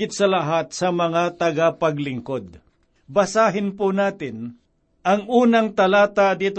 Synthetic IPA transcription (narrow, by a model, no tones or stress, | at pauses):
ɪt̪̚sɐlɐɦat̪̚sɐmɐŋat̪ɐɡapɐɡlɪŋkod̪̚ | bɐsaːɦɪnpʊnaːt̪ɪn | ʔɐŋʔuːnɐŋt̪ɐlaːt̪ad̪iːt̪